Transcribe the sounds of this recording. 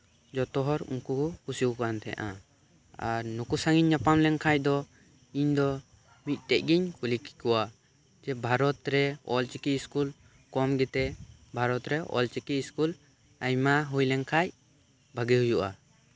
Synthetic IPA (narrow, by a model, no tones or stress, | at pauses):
d͡ʒɔt̪ɔɦɔɾṵŋkukusiukant̪ʰɛ̰a̰ʔa̰ | a̰ɾnukusaŋiɲːapamlɛŋkʰac̚d̪ɔ | iɲd̪ɔ | mit̪̚ˀt̪ɛc̚ˀɡiɲkuliki̥kuwa | d͡ʒɛbʱaɾɔt̪ɾɛɔlt͡ʃikiskul | kɔmɡɛt̪ɛbʱaɾɔt̪ɾɛʔɔ̰lt͡ʃikiskul | ajmaɦujlɛŋkʰaj | bʱəɡɛɦujuʔa̰